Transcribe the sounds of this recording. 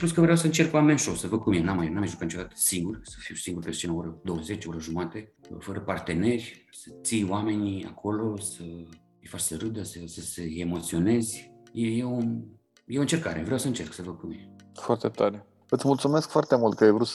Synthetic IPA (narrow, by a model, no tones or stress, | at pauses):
punskəvɾeawsəɨnt͡ʃe̞rkuamenʃosəvəɡ̚kumienamajnamajʒukənit͡ʃod̪at̪ə̥siŋɡurʲsə̥fiwsiŋɡurʲpest͡ʃinaoɾəd̪o̞wəze̞t͡ʃʲoɾəʒumat̪e̞fəɾəpart̪e̞ne̞rʲ | sət̪sijwame̞nia̰kʰo̞lo̞sə | ijfat͡ʃsəɾɨd̪əsəsəseemo̞t̪sio̞ne̞zʲjeje | jeoɨnt͡ʃe̞rkaɾʔe̞̰vɾeawsəɨnt͡ʃe̞rksəvəɡ̚kumiefoart̪et̪aɾe | ɨt̪sʲmult̪sumeskfoart̪emult̪̚kəajvɾut̪